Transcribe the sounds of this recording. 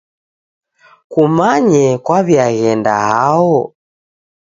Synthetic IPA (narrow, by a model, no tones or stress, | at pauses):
kumaɲɛkwaβiaɣɛnda̰haɔ